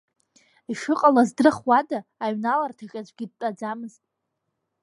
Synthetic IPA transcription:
iʃɨqʼalazdrɨχwadaːɥnalartʰakʲʼazʷʼɡʲɪd̚t͡pʼad͡zamɨztʼ

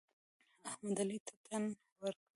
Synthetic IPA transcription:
ahmad̪alit̪ʰat̪ʰan | wəɾkɽ

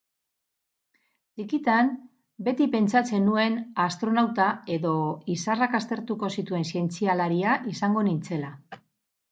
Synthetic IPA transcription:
d̪ikit̪am | be̞t̪ipe̞nt͡sat͡se̞nue̞nast̪ɾo̞nawt̪ae̞ðo̞isarakast̪e̞ɾt̪uko̞sit̪ue̞nsie̞nt͡sialaɾiaʔisaŋɡo̞nint͡se̞la

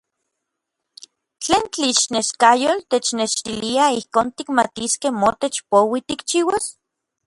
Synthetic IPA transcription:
t͡ɬeːnt͡ɬiʃneskajolt̪et͡ʃneʃt̪iliaihkoːnt̪ikma̰t̪iskehmot̪et͡ʃpowit̪ikt͡ʃiːwas

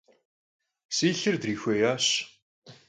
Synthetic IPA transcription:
siːɬɨrdriːxʷejaːɕ

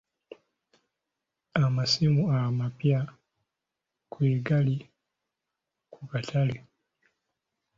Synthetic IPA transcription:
amasimuamapia | kwiɡali | kukatʰali

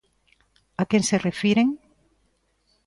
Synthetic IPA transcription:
akenserefiɾeŋ

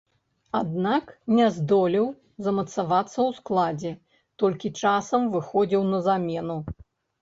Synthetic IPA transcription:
ad̪naknʲɛzd̪ɔlʲiw | zɐmɐt̪savat̪sːɐwsklˠad͡zʲɛ | t̪ɔlʲkʲit͡ʂasɐmvɨxɔd͡zʲiwnɐzamʲɛnu

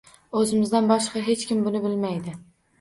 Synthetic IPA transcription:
ɵzɪmɪzd̪anbɒʃqɑɦe̞t͡ʃkʲʰɪmbʊnɪbɪlmajd̪ɪ

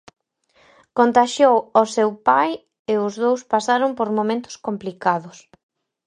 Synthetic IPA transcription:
kont̪aʃjowosewpaj | eʊzðowspasaɾompoɾmõmẽnt̪ʊ̥skomplikaðʊs

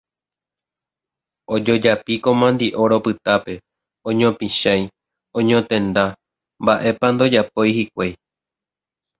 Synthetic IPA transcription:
o̞d͡ʒo̞d͡ʒapiko̞mãnd̪iʔo̞ɾo̞pɨt̪ape̞ | õɲõpĩʃãj | õɲõt̪ẽ̞nd̪a | mbaʔe̞pand̪o̞d͡ʒapo̞jhik̚ʷej

